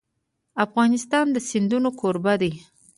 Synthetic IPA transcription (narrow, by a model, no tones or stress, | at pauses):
afɣɑnɪst̪ɑnd̪əsɪnd̪unokʰoɾbad̪e